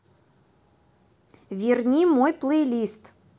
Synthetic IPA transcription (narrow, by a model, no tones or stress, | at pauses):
vʲirnʲimojplˠejlʲist̪